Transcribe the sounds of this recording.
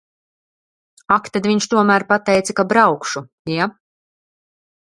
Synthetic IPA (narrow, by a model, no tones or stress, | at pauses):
akt̪ad̪viɲʃt̪uɔmæːɾpat̪ɛjt̪sakabɾawkʃu | ja